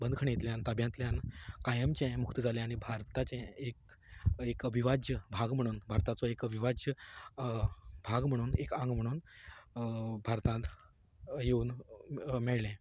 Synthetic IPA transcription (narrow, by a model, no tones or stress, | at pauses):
bənd̪kʰəɽ̃ejet̪ljãnt̪abjãnt̪ljãnkajəmt͡ɕẽmukt̪əd͡zalɛ̃aɽ̃ibʱaɾt̪at͡ɕẽek | ekəbʱiʋad͡ʑjəbʱaɡm̤əɽ̃uːnbʱaɾt̪at͡sɔekəbʱiʋad͡ʑjə | bʱaɡm̤əɽ̃uːnekãŋɡm̤əɽ̃uːn | bʱaɾt̪ãt̪ | jeuːn | mɛɭlɛ̃